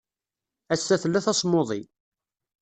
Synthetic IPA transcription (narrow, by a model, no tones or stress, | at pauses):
æsːæθlːæθæsˤmːoðˤi